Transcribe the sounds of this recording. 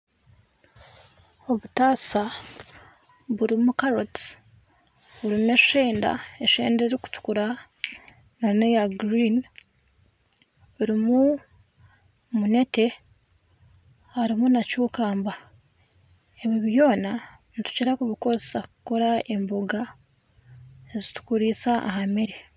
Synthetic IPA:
o̞βutaːsa | βuɾimukaɾot | βuɾimue̞ʃe̞ːnda̰eʃḛːndeɾiku̥tu̥kuɾa | nanejaɡɾin | βuɾimu | mune̞te̞ | haɾimunacuːkaːmba | e̞βiβjo̞ːna | nitu̥ciɾakuβiko̞zesakuko̞ɾae̞mboɡa | ezitu̥kuɾiːsaʔa̰ɦameɾe

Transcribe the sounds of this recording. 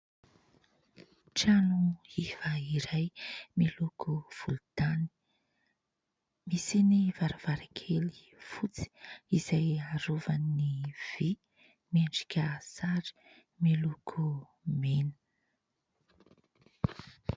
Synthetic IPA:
ʈ͡ʂanuiv̥aiɾajmilukʰuv̥uld̪̥ani̥ | misiniv̥aɾav̥aɾakʰeli̥ | fut͡si̥iz̥ajaɾovanːiv̥i | meɳɖ͡ʐi̥kʲəsaɾi̥ | milukʰu | menə̥

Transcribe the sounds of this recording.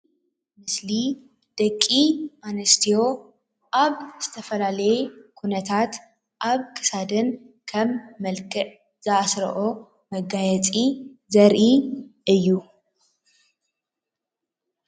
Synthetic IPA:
mɨsli | d̪̥ɐkʼːimanɐst̪ʰijo̞ | ʔaβz̥ɨt̪ʰɐfɐlalɐjɛkʰunɐt̪ʰat̪ | ʔaβkʰɨ̥sad̪ɨn | kʰɐmːɐlkʼɨʕ | z̥ɨasɾɐ̰ʔo | mɐɡajɛt͡sʼizɐɾʔiʔɨjːu

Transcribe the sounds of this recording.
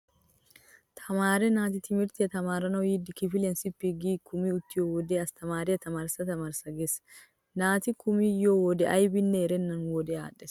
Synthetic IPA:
t̪ʰɐmaːɾɛnaːt̪ɪt̪ɪmɪɾt̪ɪɐt̪ɐmaːɾɐnɐjiːd̪ɪkɪfɪlɐnsɪpːiɡiːkʊmiʊt̪ːɪjoːwɔd̪eːɐst̪ʰɐmaːɾɪɐt̪ɐmaːɾsɐt̪ɐmaːɾsɐɡesɐ̥ | naːt̪ɪkʊmijoːwɔd̪ɛʔɐjbɪnːɛːɾɛnːɐnwɔd̪ɛa̰ːᶑɛs

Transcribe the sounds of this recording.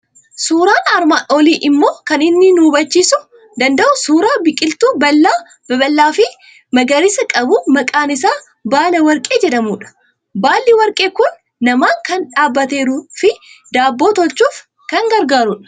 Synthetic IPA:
suːɾaːnɐɾmaːʔoːliːʔɪmːo̞ːkɐnɪnːɪnuːbɐt͡ʃːiːsʊ | d̪ɐnd̪ɐʔʊsuːɾaːbɪkʼɪlt̪uːbɐlːaː | bɐbɐlːaːfɪ | mɐɡɐɾɪsɐkʼɐbʊmɐkʼaːnɪsaː | baːlɐwɐɾkʼe̞ːd͡ʒɛᶑɐmuːᶑɐ̥ | baːlːɪwɐɾkʼe̞ːkʊnː | ɐmaːŋkɐnᶑaːbːɐt̪e̞ːɾufɪd̪aːbːo̞ːt̪ɔlt͡ʃːuːf | kɐŋɡɐɾɡaːɾʊᶑɐ̥

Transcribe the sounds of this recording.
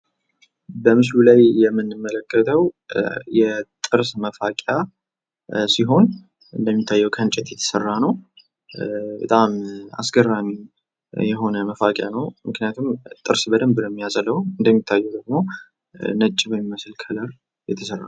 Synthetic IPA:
bəmɨslulajːɛmːɨnːɨmːələkːət̪ʰəwjɛt̪ʼɨɾsməfakʼja | siɦo̞n | ʔɨnd̪əmːit̪ʰːajːɛwkʰənt͡ʃʼɛt̪jɛt̪ʰə̥sərːanəw | bət̪ʼama̰sɡərːami | jɛɦo̞nəməfakʼjanəwmɨknijat̪ʰumt̪ʼɨɾsbəd̪əmbɨləmːijazʼələwuɨnd̪əmːit̪ʰːajːɛwd̪əɡmo̞ | nət͡ʃʼːibəmiməsɨlkʰələɾ | jɛt̪ʰəsərːa̰

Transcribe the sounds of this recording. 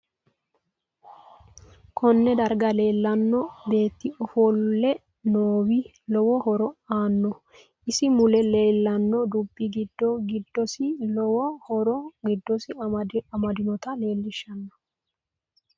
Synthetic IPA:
kʰɔnːɛd̪ɐɾɡɐle̞ːlːɐnːɔbe̞ːt̪ːɪɔfɔlːɛ | noːwɪ | lɔwɔhɔɾɔaːnːɔ | ʔɪsɪmʊlɛle̞ːlːɐnːɔd̪ʊbːɪɡɪd̪ːɔɡɪd̪ːɔsɪlɔwɔhɔɾɔɡɪd̪ːɔsɪɐmɐd̪ɪnɔt̪ɐle̞ːlːɪʃːɐnːɐ̥

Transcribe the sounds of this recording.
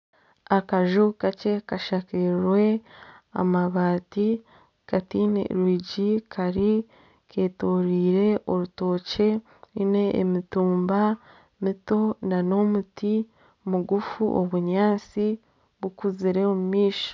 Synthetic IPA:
akaʒukace̞kaʃakiɾwe̞a̰maβaːti | katin̰ɾwiːɟikʰaɾi | kʰe̞ːtoːɾiːɾe̞ʔoɾuto̞ːce̞ | nine̞ʔḛmituːmba | mito̞nano̞muti | muɡufuʔo̰βuɲaːnt͡si | βukuziɾe̞omumiːʃo̥

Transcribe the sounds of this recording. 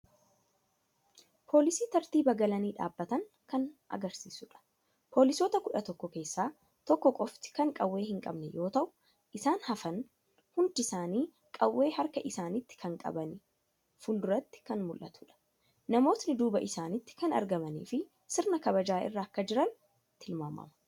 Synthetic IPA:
pʰo̞ːlɪsiːt̪ɐɾt̪iːbɐɡɐlɐniːᶑa̰ːbːɐt̪ɐŋ | kɐnʔɐ̰ɡɐɾsiːsʊᶑɐ̥ | po̞ːlɪsoːt̪ɐkʊᶑɐt̪ɔkːɔke̞ːsːaː | t̪ɔkːɔkʼɔft̪ɪ̥kɐŋkʼɐwːe̞ːhɪŋkʼɐ̰bnɛjo̞ːt̪ɐʔʊ̥ | ʔɪsaːnhɐfɐn | hʊnd̪ɪsaːniː | kʼɐwːe̞ːhɐɾkɐʔɪsaːnɪt̪ːɪ̥kʰɐŋkʼɐ̰bɐnɪ | fʊld̪ʊɾɐt̪ːɪ̥kɐnmʊlʔɐ̰t̪ʊᶑɐ̥ | nɐmo̞ːt̪nɪd̪uːbɐʔɪsaːnɪt̪ːɪ̥kɐnɐ̰ɾɡɐmɐnḭːfɪ | sɪɾnɐkɐbɐd͡ʒaːʔɪ̰rːɐːkːɐd͡ʒɪɾɐn | t̪ɪlma̰ːmɐ̰mɐ

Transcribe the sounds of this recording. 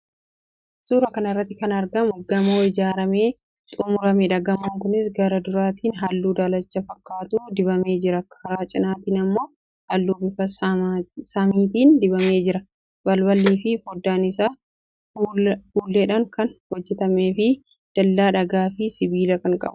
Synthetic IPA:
suːɾɐkɐnɐrːɐt̪ːɪkɐnɐɾɡɐmʊɡɐmoːɪd͡ʒaːɾɐme̞ː | t̪ʼʊmʊɾɐmɛᶑɐɡɐmoŋkʊnɪsɡɐɾɐd̪ʊɾaːt̪iːnɦɐlːuːd̪aːlɐt͡ʃːɐfɐkːaːt̪uːd̪ɪbɐme̞ːd͡ʒɪɾɐkʰɐɾaːt͡ʃʼɪnaːt̪iːnɐmːo̞ː | hɐlːuːbɪfɐ | sɐmiːt̪iːnd̪ɪbɐme̞ːd͡ʒɪɾɐ | bɐlbɐlːiːfɪfɔd̪ːaːnɪs̬aː | fuːlːeːᶑɐŋkɐnhɔd͡ʒːɛt̪ɐme̞ːfɪ | d̪̥ɐlːaːᶑɐɡaːfɪsɪbiːlɐkɐŋkʼɐ̰bʊ̥

